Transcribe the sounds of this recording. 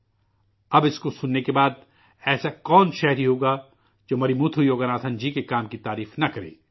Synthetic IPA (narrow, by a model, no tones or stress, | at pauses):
ɐbɪskosʊnːekebaːd̪̚ | ɛːsakɔːnʃɛːɦɾiɦoːɡa | d͡ʒoːmɐɾimuːt̪ʰujoːɡənaːt̪ʰə̃nd͡ʒikekaːmkit̪aːɾiːfnɐkɐɾḛː